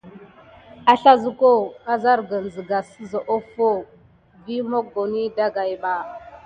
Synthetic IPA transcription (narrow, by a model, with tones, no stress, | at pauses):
a˦ɬa˦zu˦ko˦a˦za˦ɾɡə˨n˨zə˨ɡa˨sə˦zo˨ʔo˦fo˦ | vi˦mo˦ɡo˨ni˦da˦ɡa˨jɓa˨